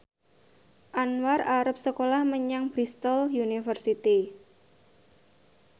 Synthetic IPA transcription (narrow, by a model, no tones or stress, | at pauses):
ʔanwaraɾəp̚səkolahməɲaŋb̥ɾist̪ɔljunifərsit̪i